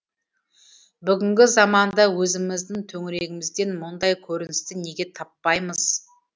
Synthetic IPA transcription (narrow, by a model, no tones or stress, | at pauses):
bʏɡʲɪŋɡʲɪzɑmɑnd̪ɑwɵzɪmɪzd̪ɪŋt̪ʰɵŋɪɾe̞ɡʲɪmɪzd̪e̞nmʊnd̪ɑjkʲʰɵɾɪnɪst̪ɪne̞ɡʲe̞t̪ʰɑpːɑjməz̥